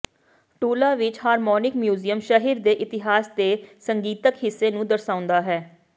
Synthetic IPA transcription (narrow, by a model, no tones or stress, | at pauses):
ʈuːlaːʋɪt͡ʃɦaːɾmɔːnɪkmjuːzijəmʃəɦiɾd̪eːʔɪt̪ɪɦaːsd̪eːsəŋɡiːt̪əkɦɪsːeːnũːd̪əɾsaːʊ̃nd̪aːɦɛː